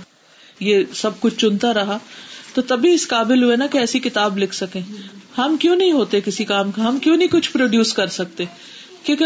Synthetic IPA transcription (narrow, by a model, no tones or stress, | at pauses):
jesɐb̚kʊt͡ʃʰt͡ʃʊnt̪aɾɐɦat̪ot̪ɐbʱiɪskaːbɪlɦʊenakeɛːsikɪt̪aːblɪkʰsɐkẽːhɐmkjõːnɐɦĩɦoːt̪ekɪsikaːmkaɦɐmkjõːnɐɦĩkʊt͡ʃʰpɾoːɖjuːskɐɾsɐk̚t̪eː | kjõːk